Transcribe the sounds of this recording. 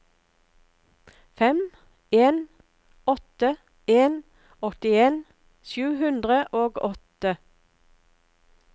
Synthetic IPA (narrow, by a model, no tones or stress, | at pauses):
fɛm | eːn | ɔt̪ə | eːn | ɔt̪ɪeːn | sʉːhʉnd̪ʁəʔoːɡɔt̪ə